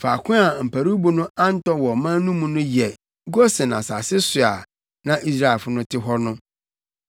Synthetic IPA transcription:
fa˨kʰʊ̃˦a˨m̩˨pʰæ˨ɾu˦bu˨nʊ̃˦ã˦n̩˦tɔ˦wɔ˨mã˦nũ˦mũ˦nʊ̃˦jɛ˨ | ɡo˦sɪ˨nã̰˨sa˨sɪ˦sʊ˨a̰˨ | nã˦ʔi˦s̬ɾa˦ɛ˨fʊ˦nʊ̃˦tʰɪ˦ɦɔ˦nʊ̃˦

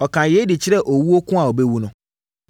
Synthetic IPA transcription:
ɔ˨kʰã˨je˦dɪ˨t͡ɕʰɪ˦ɾɛ˦ʔo˨wu˦o˦kʰʊ̃˦a˨ɔ˨be˦wu˦nʊ̃˦

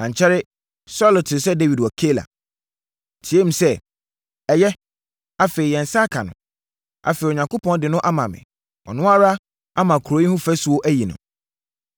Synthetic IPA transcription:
ã˨ɲ̩˨t͡ɕʰɛ˦ɾɪ˦ | sɔ˦lo˨tʰɪ˨sɛ˦de˦wi˨dwɔ˨kʰe˦la̰˨ | tʰi˨˦e˦m̩̃˦sɛ˦ | ɛ˨jɛ˦ | a˦fe˨ɪ˨jɛ̃˨n̩˨sa˦kʰa˨nʊ̰̃˨ | a̰˨fe˨i˨o˨ɲã˨ŋko˦pʰɔ̃˦n˦dɪ˨nʊ̃˦ʔa˦mã˨mɪ̰̃˨ | ɔ̰˨nʊ̃˦a˦ɾa˦ | a˦mã˨kʰɾo˨˦i˦hũ˦fæ˦su˨o˦ʔæ˦ji˨nʊ̰̃˨

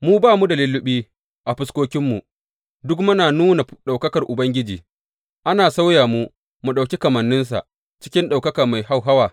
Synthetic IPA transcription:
muː˦baː˦˨mu˦da˨lɪ˦lːʊ˦ɓiː˦ | ʔa˨ɸɪ˦skʷoː˦kʲɪ˦mːu˨ʔ | dʊ˦kmʊ˦naː˨nuː˦na˨ɗa˨wkɐ˦kɐ˨rʔʊ˨bɐ˦ŋɡʲɪ˦d͡ʒiː˨ | ʔa˦naː˨sa˦wjaː˨mu˦ | mu˨ɗa˨wkʲi˦kɐ˨mɐ˨nːɪ˦ns̬a̰˨ʔ | t͡ʃɪ̥˦kʲɪ˦nɗa˨wkɐ˦ka˨ma˨jɦa˦˨wɦa˦waː˨

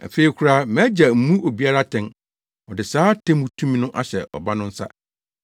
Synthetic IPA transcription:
a̰˨fe˨i˨kʰu˨˦ɾa˦mɛ̃˦d͡ʑa˨m̩˨˦mũ˦ʔo˨bi˨a˦ɾa˦tʰɛ̃˨n | ɔ˨dɪ˨saː˦tʰẽ˦mũ˨tʰũ˦mĩ˦nʊ̃˦ʔa˦ɕɛ̰˨ʔɔ̰˨ba˦nʊ̃˦n̩˦sa̰˦

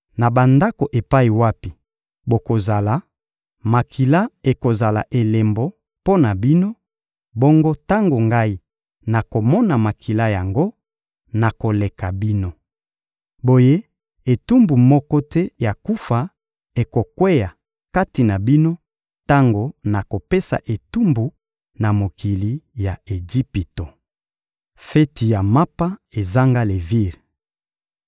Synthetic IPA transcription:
na˨ba˨nda˦ko˨ʔe˨pa˦i˨wa˦pi˨ | bo˨ko˨za˨la˨˦ | ma˨kʰi˨la˦e˨ko˨za˨la̰˨ʔe˨le˨mbo˦ | po˦na˨bi˦no˦ | bo˦ŋɡo˦ta˦ŋɡo˨ŋɡa˦i˦ | na˨ko˨mɔ˦na˨ma˨kʰi˨la˦ja˨ŋɡo˦ | na˨ko˨le˨ka˨bi˦no˦ | bo˨je˦ | e˨tu˦mbu˨mɔ˦kɔ˦tɛ˦ja˨ku˦fa˨ | e˨ko˨kwe˦ja˨ | ka˦ti˨na˨bi˦no˦ | ta˦ŋɡo˦na˨ko˨pe˦sa̰˨ʔe˨tu˦mbu˨ | na˨mo˨ki˨li˨ja˨e˨d͡ʒi˦pi˨to˨ | fɛ˦ti˨ja˨ma˦pa˦e˨za˦ŋɡa˦le˨vi˦˨ʁ

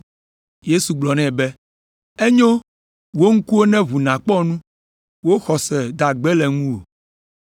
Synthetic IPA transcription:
je˦su˨ɡ͡blɔ˨nɛ̃˦bɛ˦ | e˦ɲõ˦ | wo˦ŋ̩˦ku˦o˦nɛ̃˦βu˨nã˨k͡pɔ˦nũ˦ | wo˦xɔ˨sɛ˨d̪a˨ɡ͡bɛ˦lɛ˨ŋũ˦wo̰˨

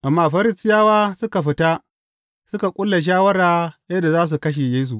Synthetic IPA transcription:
ʔa˨mːaː˦˨ɸɐ˦ɾɪ˦sɪ˦jaː˦waː˦sʊ˦ka˨ɸɪ˨ta˦ | sʊ˦ka˨kʷʼʊ˦lːa˨ʃ̬aː˦wɐ˦ɽaː˦jɐ˦da˨zaː˦s̬u˨kɐ˦ʃ̬e˨jeː˦s̬u˨ʔ

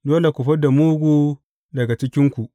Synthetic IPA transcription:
doː˦le˨kʷu˨ɸɐ˦da˨muː˦ɡʷuː˦ | dɐ˨ɡa˨t͡ʃɪ˦kʲɪ˦ŋkʷu˨ʔ

